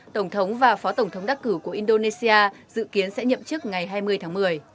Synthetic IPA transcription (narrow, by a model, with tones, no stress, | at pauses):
t̪ə˧˩wŋ͡mt̪ʰə˨˦wŋ͡mvaː˨˩fɔ˨˦t̪ə˧˩wŋ͡mt̪ʰə˨˦wŋ͡mɗa˦˥k̚kɨ˧˩ku˧˩əʔi˧nɗo˧ne˧si˧ʔaː˧zɨ̰˧˨ki˨˦ənsɛ̰˧˥ɲə̰˧˨mt͡ɕɨ˦˥ək̚ŋa˨˩jɦaː˧jmɨ˧əjt̪ʰaː˨˦ŋmɨ˨˩əj